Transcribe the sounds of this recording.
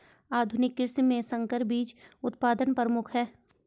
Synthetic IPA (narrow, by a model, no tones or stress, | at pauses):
aːd̪ʱʊnɪkːɪɾsimẽsə̃ŋkəɾbiːt͡ʃʊt̪̚paːd̪ənpəɾmʊkʰɦɛː